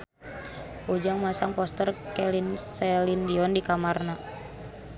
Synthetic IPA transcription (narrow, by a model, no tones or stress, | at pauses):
ud͡ʒaŋmasaŋpɔst̪ərkɛlinsɛlindiɔndikamarna